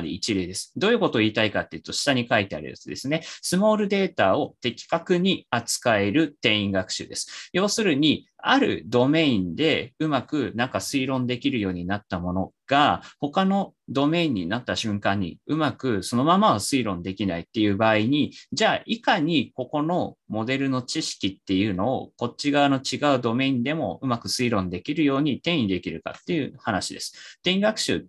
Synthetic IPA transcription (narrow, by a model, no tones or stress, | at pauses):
ɾʲḭit͡ɕiɾed̪e̞sɨ̥d̪o̞ːjɯ̟ko̞t̪o̞iːt̪aikat̪ːe̞jɯ̟t̪o̞ɕi̥t̪aɲ̟ikait̪e̞a̰ɾɯ̰ja̰t͡sɨd̪esɨne̞sɨmo̞ːɾɯ̟d̪e̞ːt̪ao̞t̪e̞kʲi̥kakɯ̟ɲ̟iat͡sɨ̥kae̞ɾɯ̟t̪ẽ̞ĩŋɡakɯ̥ɕɨ̰d̪e̞sɨ̥jo̞ːsɨɾɯ̟ɲ̟iaɾɯ̟̰d̪o̞me̞ĩnd̪e̞ɯ̟makɯ̟nãŋkasɨiɾõ̞nd̪e̞kʲiɾɯ̟jo̞ːɲ̟inat̪ːamo̞no̞ɡ̥aho̞kano̞d̪o̞me̞ĩɲ̟ːinat̪ːaɕɨ̃ŋkãɲ̟ːḭɯ̟makɯ̟so̞no̞mamaosɨiɾõ̞nd̪e̞kʲinait̪ːe̞jɯ̟ːbaːiɲ̟id͡ʑaːʔikaɲ̟iko̞ko̞no̞mo̞d̪e̞ɾɯ̟no̞t͡ɕiɕi̥kʲit̪ːe̞jɯ̟ːno̞̰ːko̞t͡ɕːiɡaɯno̞t͡ɕiɡaɯ̟d̪o̞me̞ĩnd̪e̞mo̞̰ɯmakɯ̟sɨiɾõ̞nd̪e̞kʲiɾɯ̟jo̞ːɲ̟it̪ẽ̞ɰ̃id̪e̞kʲiɾɯ̟ka̰t̪ːe̞jɯ̟hanaɕid̪e̞sɨ̥t̪ẽiɡakɯ̟̥ɕɨ̰ː